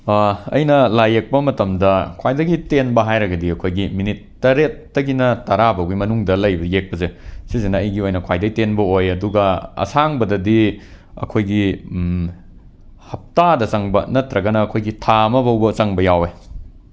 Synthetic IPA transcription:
ɐ̰jnɐlajek̚pɐmɐtɐmdɐkʰwajdɐɡitenbɐɦajɾɐɡɐdiɐkʰojɡiminitːɐɾetːɐɡinɐtɐɾabɐwɡimɐnuŋdɐlɐjbɐjek̚pɐzesizenɐɐjɡiojnɐkʰwajdɐɡitenbɐojɐduɡɐɐ̰saŋbɐdɐdi | ɐ̰kʰojɡi | hɐp̚tadɐt͡ʃɐŋbɐ̰nɐtɾɐɡɐnɐːkʰojɡitʰamɐbɐwbɐt͡ʃɐŋbɐjawe

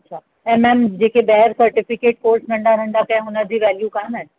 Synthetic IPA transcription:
ɐtːɕʰaː | ɛ̃ːmɛ̃ːmd͡ʑeːkebɛɦəɾsɐɾʈɪfɪkeːʈ̚koːɾsnɐ̃ɳɖaɾə̃ɳɖ̪akɐ̃ɦɪ̃ʊnəd͡ʑiːʋɛːljukãmɛ̃

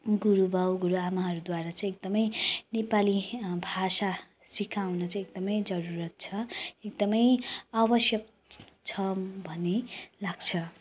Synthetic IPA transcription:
ɡuɾubawɡuɾuamaɦʌɾud̪waɾat͡sʌ̃ĩek̚d̪ʌmʌjnepalibʱasa | sikʰawnʌt͡sãĩek̚d̪ʌmʌjd͡zʌɾuɾʌt̪̚t͡sʰʌek̚d̪ʌmʌjabʌsjʌk̚ | t͡sʰʌbʱʌnelaɡt͡sʰʌ

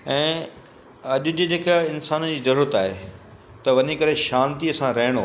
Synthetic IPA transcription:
ɛ̃ː | ɐʄʊ̆d͡ʑɪd͡ʑeːkaɪnsaːnd͡ʑiːzɐɾuːɾət̪aːɦe | t̪ɐʋɐɲikɐɾeʃaːnt̪iɐsãɾɐɦɪɽ̃o

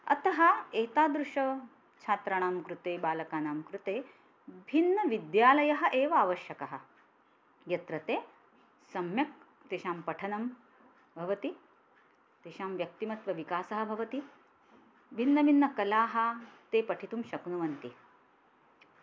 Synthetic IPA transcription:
ɐ̰t̪ɐɦɐeːt̪aːd̪ɾuʃɐ | t͡ʃʰaːt̪ɾɐɳ̃aːmkɾut̪eːbaːlɐkaːnaːmkɾut̪eː | bʱinːɐʋid̪jaːlɐjɐɦɐ̆ʔeːʋɐaːʋɐʃjɐkɐɦɐ̆ | jɐt̪ɾɐt̪eː | sɐmjɐk̚ | t̪eːʃaːmpɐʈʰɐnɐm | bʱɐʋɐt̪i | t̪eːʃaːmʋjɐk̚t̪imɐt̪ʋɐʋikaːsɐɦɐ̆bʱɐʋɐt̪i | bʱinːɐbʱinːɐkɐlaːɦɐ̆t̪eːpɐʈʰit̪umʃɐknuʋɐnt̪i

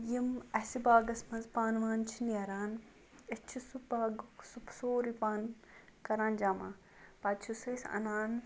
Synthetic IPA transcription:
jimɐsibaːɡɐsmɐnzpaːnʋaːnt͡ʃʰiniɐɾaːn | ɪt͡ʃʰisubaːɡsupsoːɾipaːn | kɐɾãːnd͡ʒaːmaː | pɐd̪t͡ʃʰusesɐ̰naːn

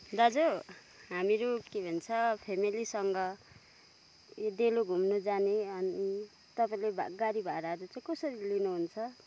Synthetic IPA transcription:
d̪ad͡zo | ɦamiɾukebʱʌnt͡sʰʌpʰemilisʌŋɡʌ | jodeloɡʱumnud͡zaneʌni | t̪ʌpaĩlebʱa̰ɡaɾibʱaɾaɾut͡saĩkʌsʌɾilinuɦunt͡sʰʌ

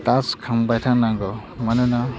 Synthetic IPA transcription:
taskʰambajtʰaŋnaŋɡɔ | manɯna

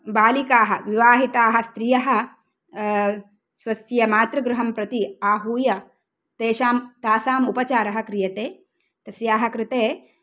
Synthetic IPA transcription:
baːlikaːɦɐʋiʋaːɦit̪aːɦɐst̪ɾijɐɦɐ̆ | sʋɐsjɐmaːt̪ɾɐɡɾuɦɐmpɾɐt̪iaːɦuːjɐ | t̪eːʃaːmt̪aːsaːmupɐt͡ʃaːɾɐɦɐkɾijɐt̪eː | t̪ɐsjaːɦɐkɾɪt̪eː

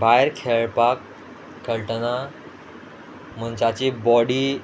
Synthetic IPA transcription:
bʱajɾkʰeɭpakʰː | əɭʈəna | m̤ənt͡ɕat͡ɕebɔɽiː

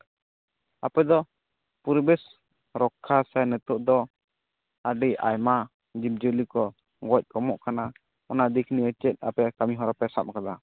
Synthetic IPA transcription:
apɛd̪ɔ | puɾbɛs | ɾɔkʰːasanɛt̪ɔʔd̪ɔ | aɖiʔa̰jma | d͡ʒip̚d͡ʒolikɔ | ɡɔc̚ˀkɔmɔʔkana | ɔnad̪ikniɛt͡ʃɛt̪̚ˀa̰pɛkamiɦɔɾɔpɛsa̰p̚kad̪a

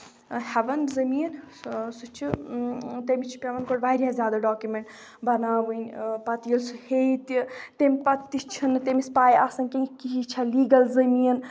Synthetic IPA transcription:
hɛʋɐnzɐmiːn | sut͡ʃʰi | t̪emʲit͡ʃʰi̥pʲeʋɐnkoɽʋaːiɾʲijãzʲjaːd̪aɖaːkjumeɳʈ | bɐnaːʋɨnʲpɐt̪ijɐlsuhejt̪it̪emʲpɐt̪ːit͡ʃʰinɨt̪emispaːjʔaːsɐnkeŋkiɦit͡ʃʰaliːɡɐlzɐmiɐn

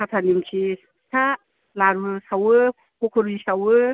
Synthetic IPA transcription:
kʰatʰanimkʰi | sʰa | laɾusawɯ | kʰokʰɯɾisawɯ

